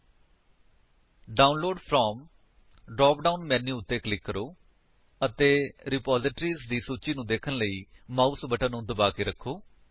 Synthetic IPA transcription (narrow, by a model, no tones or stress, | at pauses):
ɖaːʊnloːɖpʰɾɔːm | ɖɾɔːpɖaːuːnmɛ̃ːnːĩːʊt̪ːeːklɪkːəɾoː | ət̪eːɾɪpaːzɪʈɾiːzd̪iːsuːt͡ʃiːnũːd̪eːkʰənləiːmaːusbəʈʰənũːd̪əbaːkeːɾəkʰːoː